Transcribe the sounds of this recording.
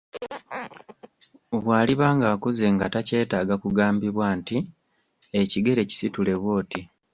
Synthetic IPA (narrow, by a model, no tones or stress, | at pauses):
βwaːliβaːŋɡaːkuze̞ŋɡatace̞ːtaːɡakuɡaːmbiβwanti | eciɡe̞ɾe̞ci̥situle̞βwo̞ːti